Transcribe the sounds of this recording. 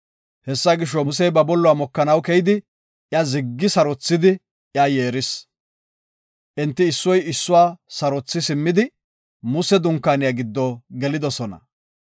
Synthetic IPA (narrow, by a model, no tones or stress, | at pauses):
hɛsːaɡɪʃ̬ːɔʊs̬ɛjbɐbɔlːʊwaːmɔkːɐnɐwkɛjɪd̪ɪ | ʔjazɪɡːɪsɐɾɔt͡sːɪd̪ɪ | jaje̞ːɾɪs | ʔɛnt̪ːɪːsːɔjɪsːʊwaːsɐɾɔt͡sːɪsɪmːɪd̪ɪ | mʊsɛd̪ʊŋkːaːnɪjaɡɪd̪ːɔɡɛlɪd̪ɔsɔnɐ̰